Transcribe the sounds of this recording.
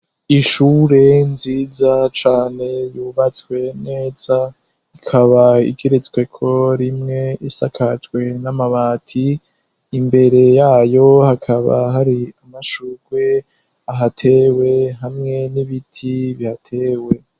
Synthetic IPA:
iʃuːɾe̞nziːzat͡ʃaːne̞juːβat͡swe̞ne̞ːza | ikʰaβaḭɡeɾet͡skwe̞kʰo̞ɾimŋe̞isakʰat͡ʃɡwe̞namaβaːtʰiː | mbe̞ɾe̞jaːjo̞hakʰaβa̰ɦaɾiamaʃuɡ̥we̞ | aɦatʰewe̞ɦamŋe̞niβitʰiβihatʰeːwe̞

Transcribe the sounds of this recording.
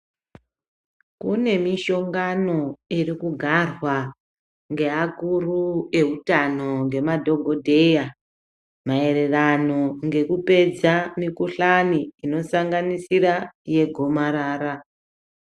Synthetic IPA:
kune̞miʃo̞ŋɡano̞irikuɡʱarwa | ŋɡe̞akurue̞ɦutano̞ŋɡe̞madʱo̞ɡʱo̞dʱe̞ja | mae̞re̞rano̞ŋɡe̞kupe̞d͡zamikuɬaniino̞saŋɡanisiraje̞ɡʱo̞maɾaːɾa

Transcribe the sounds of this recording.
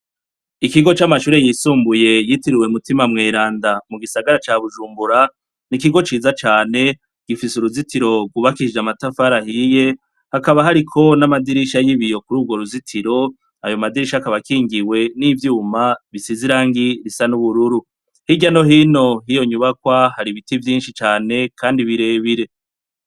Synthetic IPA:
ikiɡo̞t͡ʃamaʃuːɾe̞jisuːmbuje̞jitiɾiwemutimamŋeːɾaːndamuɡisaɡaɾat͡ʃaβuʒuːmbuɾa | nikiɡo̞t͡ʃiːzat͡ʃaːne̞ | ɡ̥ifisuɾuzitiɾo̞ɡuβakid͡ʒamatafaɾahije̞ | hakaβaɦaɾikʰo̞namadiɾiʃajiβijo̞kuɾuːɡwo̞ɾuzitʰiɾo̞ | ajo̞madiɾiʃakaβakiːŋɡiwe̞nivjuːmaβisiziɾaːŋɡiɾisanuβuɾuɾu | hiɟano̞ɦino̞ɦijo̞ɲuβakwahaɾiβitivjiːnʃit͡ʃaːne̞kʰaːndiβiɾe̞ːβiɾe̞

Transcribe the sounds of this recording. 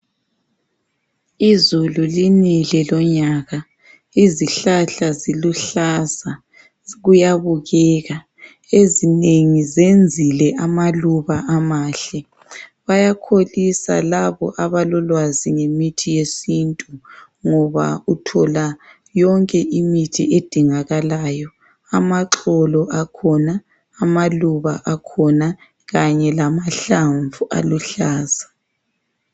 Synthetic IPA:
izululinilɛlɔɲaːɣa | iziɬaɬaziluɬaza | ɣujaβuɣɛɣa | ezineŋizend͡zʱilɛʔamaluβaʔamaːɬɛ | βajakʰolisa̰laβɔ̰ʔaβalɔlwaziŋemitʰijesintʼu | ŋɔβa̰utʰɔla | jɔŋkʼɛʔimitʰied̥ʱiŋaɣalaːjɔ | amaǁɔlɔʔakʰɔnaː | maluβaʔakʰɔna | ɣaɲɛlamaɬaɱvua̰luɬaːz̥a

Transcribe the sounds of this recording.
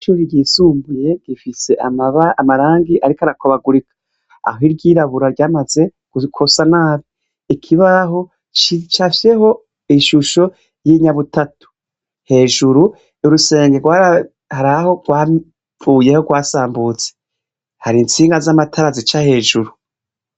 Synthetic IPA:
t͡ʃuβiɡiːsuːmbuje̞ɡ̥ifise̞ʔamaβamaɾaːŋɡiʔaɾikaɾakʰoβaɡuɾikḁ | a̰ɦiɾɟiːɾaβuɾaɾɟaːmaze̞ | ɡ̥ukʰosanaːβi | ikʰiβaɦo̞ | t͡ʃt͡ʃafje̞ɦo̞ | iʃuʃo̞ | jiɲaβutatu̥ | he̞ːʒuɾu | uɾuse̞ːŋɡeɡwaɾa | haɾaho̞ɡwaː | fuːje̞ho̞ɡwaːsaːmbut͡se | haɾint͡siːŋɡazamatʰaɾazit͡ʃahe̞ːʒuɾu

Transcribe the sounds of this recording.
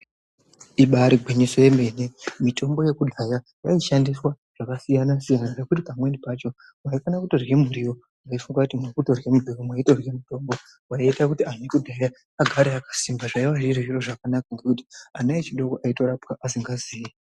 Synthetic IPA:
iɓaɾiɡʱwiɲisojeme̞nemitʰo̞mbo̞je̞kudʱaja | jaiʃandiswa | ʐ̥akasijanasijanane̞kutipamwe̞nipat͡ʃo̞ | mwaifanakutorjem̤uɾiwo | waifuŋɡakutimekuto̞remuriwomwaito̞rjemuto̞mbo̞ | waiitakutianikudʱaja | aɡʱaɾaakḁsimbaʐaiwaʐiriʒiro̞ʐakanakaŋɡe̞kuti̥anaet͡ʃiɗo̞koʔaito̞ɾapkaʔasiŋɡaziːji

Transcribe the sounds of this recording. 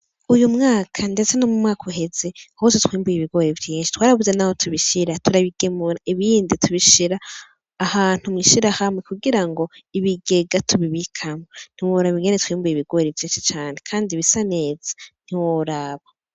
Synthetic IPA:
ujumŋaːkʰande̞t͡senomumŋaːkʰuɦe̞ze̞ahototwiːmbujiβiɡo̞ːɾivjiːnʃi̥twaːɾaβuzenaho̞tʰuβiʃiɾatuɾaβiɡe̞muɾaʔiβiːnditʰuβiʃiɾaː | haːn̥humŋiːʃiɾahamwe̞kuɡiɾaŋɡo̞iβiɡe̞ɡatʰuβiβikʰamon̥iwoːɾaβiŋɡenetu̥wiːmbujiβiɡ̥o̞ːɾivjiːnʃi̥t͡ʃaːne̞kʰaːndiβisane̞ːz̥ḁn̥iwoɾaːβa

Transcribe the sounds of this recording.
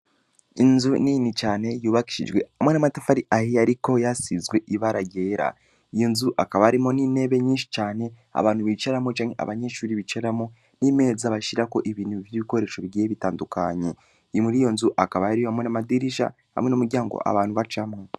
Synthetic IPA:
inzuninit͡ʃaːne̞juːβaki̥ʃḭʒwe̞amwenamatafaɾiʔahijaɾiko̞jasizɡwe̞ʔiβaɾaɟeːɾa̰ | ijo̞nzuʔakaβaaɾimo̞nine̞βe̞ɲiːnʃi̥t͡ʃaːne̞ | a̰βaːnhuβit͡ʃaɾamot͡ʃaːŋhḛa̰βaɲeʃuːɾiβit͡ʃaɾamo | nime̞ːzaβaʃiɾako̞ʔiβiːnuvjiβiko̞ɾe̞ːʃo̞βijeeβitaːnduka̰ɲe̞ | imuɾijo̞nzuʔakaβajaɾijohamwe̞namadiɾiʃa̰ | ha̰mwe̞nomuɾɟaːŋɡo̰ʔa̰βaːnhuβat͡ʃamŋo

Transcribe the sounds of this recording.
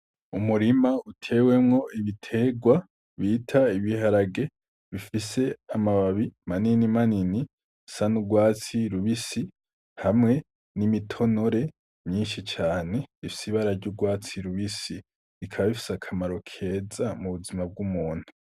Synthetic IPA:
umuɾimautʰe̞we̞mŋo̞iβitʰe̞ɡwa | βiːtʰaiβihaɾaɡe̞ | βifise̞amaβaβimaninimanini | sanuɡwaːt͡siɾuβisi | hamŋe̞ | nimitʰo̞no̞ɾe̞ | mɲiːnʃit͡ʃaːne̞ifisiβaɾaɾɟuɡwaːt͡siɾuβisi | ɾikʰaβaβifi̥sakʰamaɾo̞kʰe̞zamuβuzimab̚ɡumuːn̥u

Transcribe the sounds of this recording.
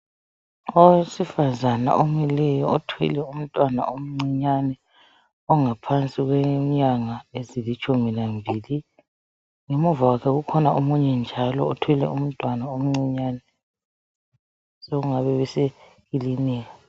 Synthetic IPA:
osifazana̰ʔomilɛjɔɔtʰwɛ̰lɛum̩tʼwana̰om̩ŋ͡ǀiɲanɛ | ɔŋapʰant͡sʼiɣwɛɲaŋaezilit͡ʃʼuminambʱiːli | ŋemuvawakʰɛɣukʰɔnaʔomuɲɛnd͡ʒʱalɔ̰ːtʰwɛlɛ̰um̩tʼwanaom̩ŋ͡ǀiɲanɛ | soɣuŋaβɛβɛsɛ | ilinɛːa

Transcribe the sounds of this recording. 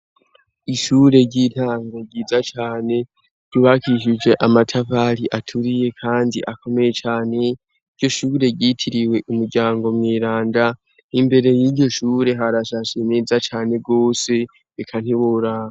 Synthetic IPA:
iʃuːɾe̞ɟiːtʰaːŋɡaɟiːzat͡ʃaːne̞ | ɟuβakiʃid͡ʒe̞ʔamatʰapaɾiʔatʰuɾije̞kʰaːndiʔako̞me̞je̞t͡ʃaːne̞ | iɟɟo̞ʃuːɾe̞ɟitʰiɾiwe̞ʔumuɾɟaːŋɡo̞mwiːɾaːnda | imbe̞ɾe̞jiːɟo̞ʃuːɾe̞ɦaɾaʃaʃene̞ːzat͡ʃaːne̞ɡo̞ːse̞ː | kʰan̥hiβoɾaːa

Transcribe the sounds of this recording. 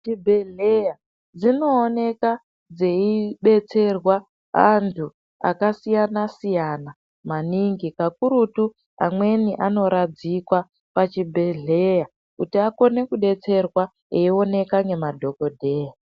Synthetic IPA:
t͡ʃibʱe̞ɮeja | d͡zino̞ːne̞ka | d͡zeiɓe̞t͡se̞rwa | antʰu | a̰kasijanasijana | maniŋɡikakuɾutu | a̰mwe̞niʔano̞ɾad͡zikwa | pat͡ʃibʱe̞ɮe̞ja | kutiako̞ne̞kuɓe̞t͡se̞rwa | eio̞ne̞kaŋɡe̞madʱo̞ko̞dʱe̞ːja

